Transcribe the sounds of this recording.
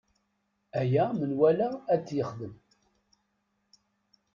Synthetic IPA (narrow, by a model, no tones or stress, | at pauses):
æjæmənwælæːt͡sːjəχðəm